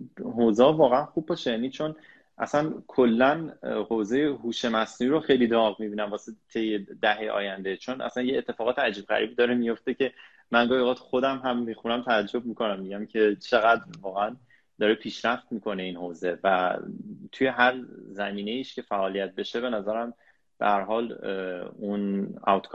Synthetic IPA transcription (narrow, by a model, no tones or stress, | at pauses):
ɦoːzeɒːvɒːɣeænxub̚bɒʃejæːnit͡ʃʰo̞n | ʔæ̰sænkʰolːænhoːze̞jehuːʃe̞mæsnuiɾoxejlid̪ɒːɣmibiːnæmvɒːset̪ʰe̞jːed̪æɦeʔɒ̰ːjænd̪et͡ʃʰonʔæ̰sænjeːt̪ʰːe̞fɒːɣɒːt̪eæd͡ʒiːb̥ɣæ̰ɾʔḭːbiːd̪ɒːɾemijo̞ft̪ecʰe̞ | mænɡɒːhioʁɑːt̪ʰu̥xod̪æmɦæmːixunæmt̪ʰææd͡ʒːo̞b̚mikʰo̞næmːiɟæmcʰe̞t͡ʃʰe̞ɣæd̪ɾvɒːɣææn | d̪ɒːɾepʰiːʃɾæft̪miːkʰo̞ne̞iːnhoːze̞væ | t̪ʰuje̞ɦæɾzæmiːne̞iːʃcʰe̞fæʔɒːlijæt̪̚be̞ʃebe̞næzæɾæm | b̥ḛhæɾɦɒːl | unæ̰wt̪kʰː